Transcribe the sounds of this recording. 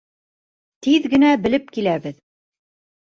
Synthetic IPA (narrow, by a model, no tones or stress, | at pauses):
t̪iðɡɘ̆næbɘ̆lɘp̚kilæβɘð